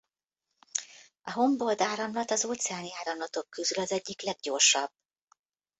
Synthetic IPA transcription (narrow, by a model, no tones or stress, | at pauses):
ɒɦo̞mbo̞ld̪aːɾɒmlɒt̪ɒzoːt̪sɛaːniaːɾɒmlɒt̪o̞kːøzylɒzɛɟːiklɛɡ̚ɟo̞rʃɒb̥̚